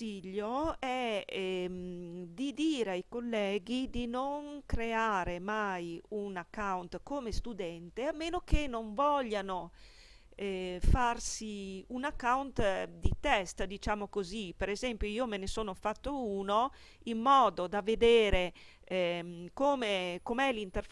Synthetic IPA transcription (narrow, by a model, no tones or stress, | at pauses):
iʎːoɛ | md̪id̪iːɾeajkolːɛːɡid̪inoŋkɾeaːɾemajunakːawnt̪komest̪ud̪ɛnt̪eamːeːnokenoɱvɔʎːano | ɛfarsiunakːawnt̪d̪it̪ɛst̪d̪it͡ʃamokozipeɾezɛmpjoiːomenesoːnofat̪ːouːno | ilːɔːd̪od̪aved̪eːɾe | komekomɛlint̪eɾ